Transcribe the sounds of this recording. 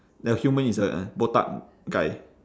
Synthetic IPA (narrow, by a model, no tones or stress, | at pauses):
dəhjumə̃nisə̰bot̪a̰ʔ | ɡaj